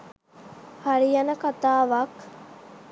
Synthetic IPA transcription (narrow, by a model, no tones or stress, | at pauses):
hɐɾijɐnəkat̪aːʋɐk